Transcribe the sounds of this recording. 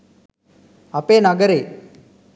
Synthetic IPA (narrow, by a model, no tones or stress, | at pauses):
ɐpːeːnɐɡɐɾeː